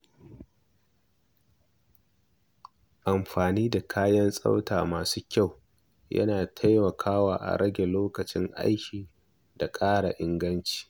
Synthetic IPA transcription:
ʔa˨mɸaː˨niː˦da˨kʰaː˦jɐ˦nsʼa̰˦wtaː˨maː˨suː˦kʲa˦˨w | jɐ̰˦naː˨tʰa˦jmɐ˨kʰaː˦waː˨ʔa̰˨ɽɐ˦ɡʲe˨loː˦kɐ˨t͡ʃɪ˦ŋʔa̰˦jkʲiː˨ | da˨kʼaː˦ɽa̰˨ʔɪ˦ŋɡɐ˦nt͡ʃi̥ː˨

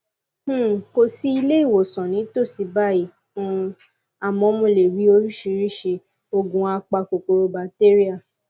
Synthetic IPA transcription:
h̩˦˨ko˧si˦i˧le˦i˦˨wo˨sɔ̃˨nĩ˨˦to˦˨si˨˧ba˦i˨ | fũ˧˦ | a˨mɔ̃˨˦mũ˧˨le˨ɾi˨˦o˧ɾi˦ʃi˧˦ɾi˦ʃe˧ | o˧ɡũ˨˧a˧k͡pa˧ko˨ko˧ɾo˧ba˧te˦ɾi˦a˦˨

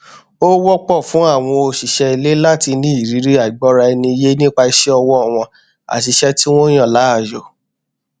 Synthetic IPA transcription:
o˦wɔ˦k͡pɔ˦˨fũ˨˦a˦˨w̃ɔ̃˧o˧ʃi˨ʃɛ˧i˧le˦la˦ti˧nĩ˦i˦˨ɾi˨˦ɾi˦a˨i˨ɡ͡bɔ˨˦ɾa˧ɛ˧nĩ˧je˦nĩ˦k͡pa˧i˧ʃɛ˦ɔ˧wɔ˦˨w̃ɔ̃˧ | a̰˨ʃi˨˧ʃɛ˦ti˦w̃ɔ̃˦j̃ã˦˨la˨˦a˦˨jo˨

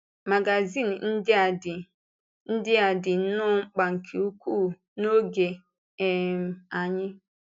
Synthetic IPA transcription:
ma˨ɡa˨zi˦˨n˨n̩˦dɪ˦a˨dɪ˨ | n̩˦dɪ˦a˨dɪ˨˦nʊ˦ŋ͡m̩˦k͡pa˨ŋ̩˨kʰe˨u˦kʷu˦˨ | no˦ɡe˨ | ɛ˨m̩˨a˨ɲɪ˦

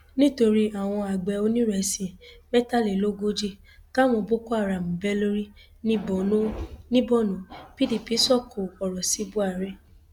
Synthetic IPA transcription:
nĩ˦to˧ɾi˦a˦˨w̃ɔ̃˧a˨ɡ͡bɛ˨˦o˧nĩ˦ɾɛ˨sĩ˨mɛ˦ta˦˨le˨lo˦ɡo˦d͡ʒe˧ | ta˦mɔ̃˧bo˦ko˦a˦˨ɾa˨mũ˨bɛ˦lo˦ɾi˦ | nĩ˦ɔ˨o˦nĩ˦bɔ˦˨nũ˨˦pi˦li˦˨pi˨˦sɔ˦˨kʰo˨ɔ˨ɾɔ˨si˨˦bu˦a˦˨ɾɛ˦

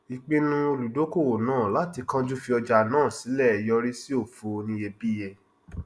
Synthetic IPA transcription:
i˨k͡pe˧nũ˦o˧lu˨do˨˦ko˦˨wo˨nãː˦˨la˨˦ti˧kã˦d͡ʒu˦fi˧ɔ˧d͡ʒa˧nãː˦˨si˨˦lɛ˦˨jɔ˧ɾi˦si˦o˦˨fo˨˧nĩ˧je˧bi˦je˧

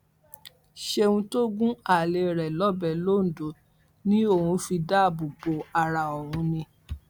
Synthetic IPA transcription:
ʃe˧ũ˧to˦ɡũ˦a˦˨le˧˨ɾɛ˨lɔ˦bɛ˨lo˦˨n̩˨do˨˦ | nĩ˦o˦˨hũ˧fi˧da˦˨bo˨ɡ͡bo˨˦a˧ɾa˧ɔ˨wũ˧nĩ˧

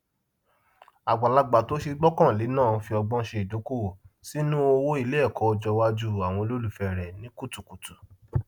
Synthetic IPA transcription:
a˨ɡ͡ba˨la˧ɡ͡ba˨to˦ʃe˧ɡ͡bɔ˦kã˦˨le˨˦nãː˦˨˧fi˧ɔ˧ɡ͡bɔ̃˦ʃe˧i˨do˨˦ko˦˨si˦nũ˦o˧wo˦i˧le˦ɛ˦˨kɔ˨˦ɔ˧d͡ʒɔ˧wa˦d͡ʒu˦a˨w̃ɔ̃˧lo˦lu˦˨fɛ˨ɾɛ˨nĩ˨˦ku˦tu˨ku˨tu˨

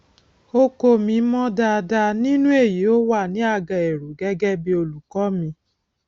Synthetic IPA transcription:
o˧ko˧mĩ˨˦mɔ̃˦da˧da˧nĩ˦nũ˦e˦˨ji˨˦o˦wa˦˨nĩ˨˦a˦˧˨ɡã˨e˨ɾu˨ɡɛ˦ɡɛ˦bi˧o˧lu˨kɔ˨˦mĩ˧

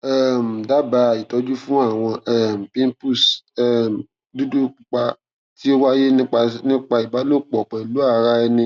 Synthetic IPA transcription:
ɛ˦˨m̩˨da˨˦ba˨˧˨i˨tɔ˧˦d͡ʒu˦fũ˦a˦˨w̃ɔ̃˧ɛ˦˨m̩˨pĩ˦m˦pu˦˨sɛ˨m˨ | du˦du˦k͡pu˨k͡pa˧ | ti˦o˦wa˦je˦nĩ˦k͡pa˧nĩ˦k͡pa˧i˨ba˨˦lo˦k͡pɔ˨k͡pɛ˨lu˨˦a˦˨ɾa˧ɛ˧nĩ˧

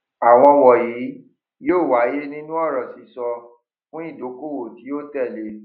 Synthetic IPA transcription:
a˨w̃ɔ̃˧wɔ˨jiː˨˦ | joː˦˨wa˨˦je˦nĩ˦nũ˦ɔ˦˨ɾɔ̃˨si˨˦sɔ˧ | fũ˦i˦˨do˨˦ko˦˨wo˦˨ti˨˦jo˦tɛ˦˨le˧˦

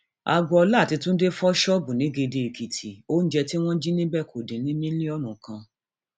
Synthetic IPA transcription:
a˧ɡɔ˧ɔ˧la˦˨ti˨˧tũ˦n̩˦de˦fɔ˦ʃɔ˦bũ˨nĩ˨˦ɡe˧de˧i˨ki˨tʰi˨o˦n̩˦d͡ʒɛ˧ti˦w̃ɔ̃˦d͡ʒi˦nĩ˦bɛ˦kʰo˨dĩ˨˦nĩ˦nĩ˦nĩ˦ɔ˦˨nũ˨kã˧

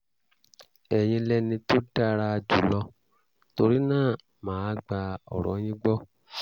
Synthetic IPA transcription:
ɛ˨j̃ĩ˧lɛ˦nĩ˧to˦da˦ɾa˧d͡ʒu˨˦lɔ˧ | to˧ɾi˦nãː˦˨ | mãː˨˦˧ɡ͡ba˧ɔ̰˨ɾɔ̰̃˨˦j̃ĩ˦ɡ͡bɔ˦

